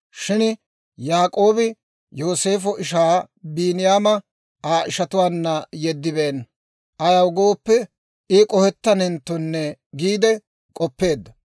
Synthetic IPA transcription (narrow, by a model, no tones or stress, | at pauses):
ʃɪn | jaːkʼo̞ːbɪ | jo̞ːse̞ːfɔʔɪʃ̬aː | biːnɪjaːmɐ | aːʔɪʃɐt̪ʊwaːnːɐjɛd̪ːɪbeːn | ʔɐjɐwɡo̞ːpːɛ | ɪkʼɔhɛt̪ːɐnɛnt̪ːɔnːɛɡiːd̪ɛ | kʼɔpːe̞ːd̪ːɐ